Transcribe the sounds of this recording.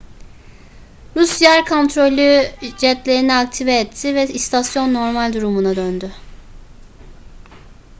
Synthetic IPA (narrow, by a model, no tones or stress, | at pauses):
ɾusjæɾkʰo̞nt̪ɾo̞lʲyd͡ʒɛt̪lʲe̞ɾinɛak̚t̪ʰivɛːt̪ʰːivɛist̪ʰasjo̞nːo̞ɾmalʲd̪uɾumunad̪ønd̪ʏ